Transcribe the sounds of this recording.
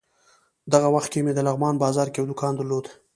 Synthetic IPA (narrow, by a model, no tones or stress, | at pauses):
d̪aɣawaxt̪̚kemed̪əlaɣmɑnbɑzɑɾkejawd̪ʊkɑnd̪əɾlod̪